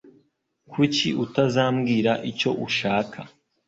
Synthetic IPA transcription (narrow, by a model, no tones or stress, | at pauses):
kʰuciʔutazaːmɡiːɾaʔico̞ʔuʃaːkʰa